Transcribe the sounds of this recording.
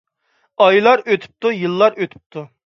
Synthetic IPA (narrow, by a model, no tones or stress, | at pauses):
ɑjlˠɑɾøt̪ʰy̥p̚t̪ujɨlˠːɑɾøt̪ʰy̥p̚t̪ʰu